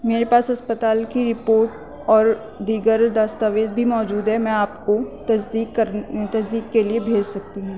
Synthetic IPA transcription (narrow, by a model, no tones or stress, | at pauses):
meːɾepaːsɦɐspət̪aːlkiɾɪpoːɾʈ | ɔːɾ | d̪iːɡəɾd̪aːst̪aːʋeːzbʱimɔːd͡ʒuːd̪ɦɛmɛ̃aːpkot̪ɐsd̪iːkkɐɾt̪ɐs̬d̪iːk̚keliebʱeːd͡ʒsɐk̚t̪iɦũː